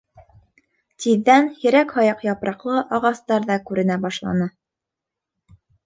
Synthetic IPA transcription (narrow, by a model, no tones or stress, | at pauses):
t̪iðːænhiɾækhɑjɑqjɑpɾɑqlˠɤʔɑʁɑst̪ɑɾðɑkʉɾɘ̆næbɑʃlˠɑ̰nɤ